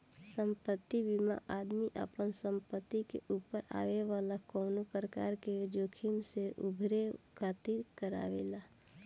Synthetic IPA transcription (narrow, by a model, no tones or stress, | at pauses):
sə̃mpət̪ːibimã̰ʔaːd̪miʔə̰pənsə̃mpət̪ːikḛʔuːpəɾa̰ːʋeʋaːlakɔːnopɾəka̰ːɾked͡ʒoːkʰɪmseʔʊbʱɾekʰaːt̪iɾkəɾa̰ːʋḛːlaː